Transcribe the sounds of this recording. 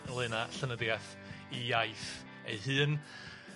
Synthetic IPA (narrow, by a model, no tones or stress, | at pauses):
lˠɨnaɬənədiaθ | ijajθ | ḛɦɨːn